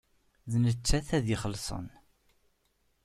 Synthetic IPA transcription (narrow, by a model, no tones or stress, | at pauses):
ðnət͡sːæθæðiχəlːsˤə̰n